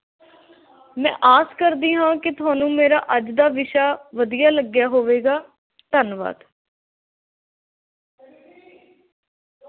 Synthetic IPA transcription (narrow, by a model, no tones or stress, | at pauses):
mɛ̰̃ːʔaːskəɾd̪iːɦãːkɪt̪ʊaːnũːmeːɾa̰ːʔəd͡ʒd̪aːʋɪʃaːʋəd̪ijaːləɡjaːɦoːʋeːɡaː | t̪ənʋa̰ːd̪